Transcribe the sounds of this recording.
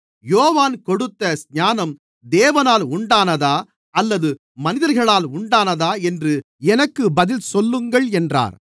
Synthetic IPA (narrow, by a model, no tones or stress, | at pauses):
joːʋaːnkɔɽɯt̪ːɐsɲaːnɐm | d̪eːʋɐnaːlʊɳɖaːnɐðaː | ɐlːɐðɯ | mɐnɪðɐɾɣɐɭaːlʊɳɖaːnɐðaːɛndrɯ | ɛnɐkːɯbɐðɪlsɔlːɯŋɡɐɭɛndra̰ːɾ